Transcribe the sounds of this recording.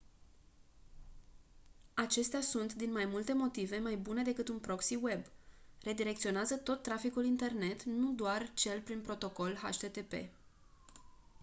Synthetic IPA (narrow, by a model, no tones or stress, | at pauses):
at͡ʃe̞st̪easunt̪d̪inmajmult̪e̞mo̞t̪ive̞majbune̞d̪e̞kɨt̪unpɾo̞ksiwe̞bre̞d̪iɾe̞k̚t̪sio̞neazət̪o̞t̪ːɾafikulint̪e̞rne̞t̪nud̪oart͡ʃe̞lpɾinpɾo̞t̪o̞ko̞lɦa̰ʃt̪e̞t̪e̞pe̞̰